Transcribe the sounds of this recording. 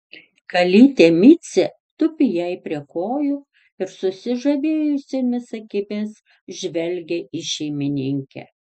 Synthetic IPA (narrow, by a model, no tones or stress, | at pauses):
kɐlʲiːt̪ʲeːmʲiːt̪sʲe | t̪ʊpʲɪjɛɪpʲɾʲiɛkoːjʊ | ɪɾsʊsʲɪʒɐʋʲeːjʊsʲeːmʲɪsɐkʲɪpʲeːs | ʒʲʋʲɛlʲɡʲeʔiʃʲɛɪmʲɪnʲɪŋʲkʲɛ̰